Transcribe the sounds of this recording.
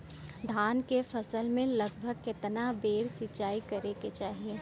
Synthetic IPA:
d̪ʱaːnkefɐsəlmẽlɐɡbʱəɡ̚kɪt̪nabeːɽsɪt͡ʃaːikɐɾeket͡ʃaːɦie

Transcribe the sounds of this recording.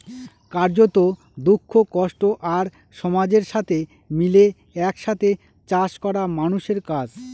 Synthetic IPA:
kaɾd͡ʑot̪o | d̪ukʰːokɔʃʈoʔaɾ | ʃɔmad͡ʑeɾʃat̪ʰe | mile | ɛkʃat̪ʰe | t͡ɕaʃkɔɾamanuʃeɾkad͡ʑ

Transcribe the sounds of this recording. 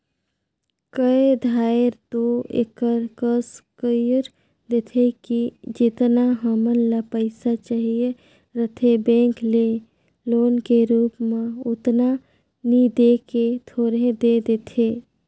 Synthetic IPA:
kəed̪ʱaːɪɾt̪oḛkəɾkəskəjɾ | d̪et̪ʰekid͡ʒɪt̪naɦəmənlapəɪsat͡ʃaɦije | ɾət̪ʰebẽːŋkle | loːnkeɾuːpmẽʊt̪na | nid̪eːket̪ʰoːɾed̪ed̪et̪ʰeː

